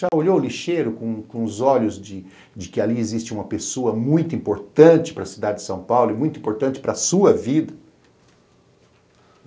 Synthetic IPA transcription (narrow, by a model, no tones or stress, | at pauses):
ʒaoʎowliʃeɾʊkõkõʊzɔʎʊzd͡ʒɪ | d͡ʒɪkɪaliezist͡ʃɪũmɐpesoɐmũj̃t̪ʊĩmpoɾt̪ɐ̃nt͡ʃɪ̥pɾɐsid̪ad͡ʒɪd͡ʒɪsɐ̃w̃pawlʊɛmũj̃t̪ʊĩmpoɾt̪ɐ̃nt͡ʃɪ̥pɾɐsuɐvid̪ɐ